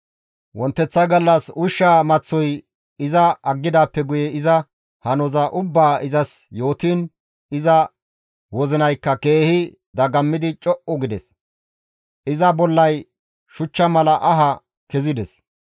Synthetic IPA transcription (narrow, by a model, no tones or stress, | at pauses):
wɔnt̪ːɛt͡sːɐjɡɐlːɐsʊʃːaːmɐt͡sːɔj | ɪzɐɐɡːɪd̪aːpːɛɡʊjɛɪzɐ | hɐnɔzɐʔʊbːaːɪzɐsjo̞ːt̪iːn | ɪzɐ | wɔzɪnɐjkːɐke̞ːhɪ | d̪ɐɡɐmːɪd̪ɪt͡ʃʼɔʔɔɡɪd̪ɛs | ʔɪzɐbɔlːɐj | ʃʊt͡ʃːɐmɐlɐʔɐɦɐ | kɛzɪd̪ɛs